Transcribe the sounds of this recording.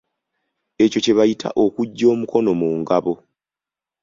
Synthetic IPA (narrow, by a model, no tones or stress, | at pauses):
e̞co̞ce̞βajitʰa̰ʔo̞kuɟːo̞ːmuko̞no̞muːŋɡaβo̞